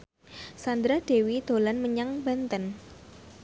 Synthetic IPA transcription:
sand̪ɾaɖ̥ewid̪̥o̤lanməɲaŋbant̪ən

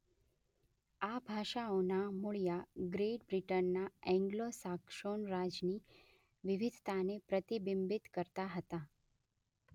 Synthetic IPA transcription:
abʱaʃaonamuɭijaɡɾeʈ̚bɾiʈənːaɛ̃ŋɡlosakʃoɳɾad͡ʒni | ʋɪʋɪd̪ʱt̪anepɾət̪ibɪmbɪt̪kəɾt̪aɦət̪a

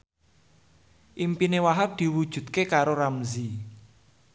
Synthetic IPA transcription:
ʔimpinewaɦap̚d̪̥i̤wud̥ʒ̥ṳt̪̚kekaɾoɾamzi

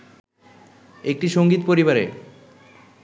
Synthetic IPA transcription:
ek̚ʈiʃoŋɡit̪poɾiβaɾe

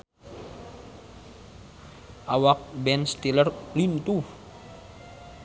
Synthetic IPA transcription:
ʔawak̚bɛnst̪ilərlint̪u

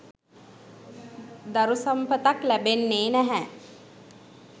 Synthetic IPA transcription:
d̪aɾusɐmpət̪aklæbenːeːnæɦɛ

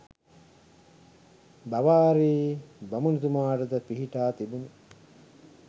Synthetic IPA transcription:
baʋaːɾiːbɐmunit̪umaːʈəd̪əpiɦiʈaːt̪ibuni

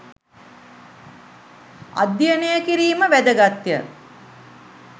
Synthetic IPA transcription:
a̰d̪jənəjəkiɾiːməʋæd̪əɡat̪ːjə̰

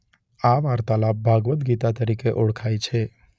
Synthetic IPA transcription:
aʋaɾt̪alap̚bʱaɡʋət̪ɡit̪at̪əɾikeʔɔɽkʰajt͡ʃʰe

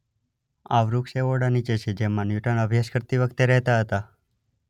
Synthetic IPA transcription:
aʋɾukʃeoɽanit͡ʃet͡ʃʰed͡ʒemːãnjuʈənəbʱjaʃkəɾt̪iʋəkt̪eɾɛɦt̪aɦət̪a

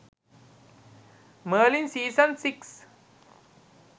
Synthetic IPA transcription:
məːlĩnsiːsə̃nsiks

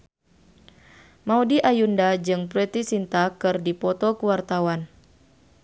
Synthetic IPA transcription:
maudiʔajundad͡ʒɨŋpɾɛt̪isint̪akɨrdipɔt̪ɔkuwart̪awan

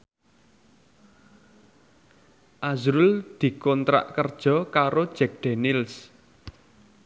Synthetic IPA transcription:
ʔazɾuld̪̥i̤kɔnt̪ɾa̰ʔkərd̥ʒ̥ɔ̤kaɾod̥ʒ̥ɛk̚d̪̥enɪls

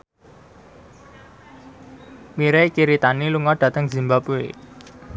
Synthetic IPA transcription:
miɾekiɾit̪aniluŋɔɖ̥ä̤t̪əŋzi̤mbapue

